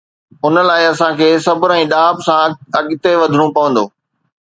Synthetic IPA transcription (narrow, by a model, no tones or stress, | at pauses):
ʊnəlaːɪɐsãkʰeːsɐbʊɾɛ̃ːɗaːbsãɐɠɪt̪eʋɐd̪ʱɽ̃ũpɐʋə̃nd̪oː